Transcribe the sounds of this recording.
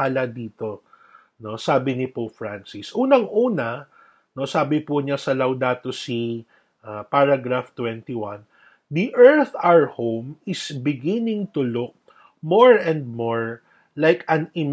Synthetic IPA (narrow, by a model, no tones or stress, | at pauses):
alɐd̪iːt̪o̞ | no̞saːbɪnɪpofɹansɪsʔuːnɐŋʔuːnɐ | no̞saːbɪpʊɲasɐlɐwd̪aːt̪osi | ʔapaɹaɡɾaft̪wɛnt̪iwãn | d̪iʔɛɹθaɛɹhowmɪsbɪɡɪnɪŋt̪ʊlʊk̚ | moɹɛnd̪̚moɹ | lajkɐŋɪm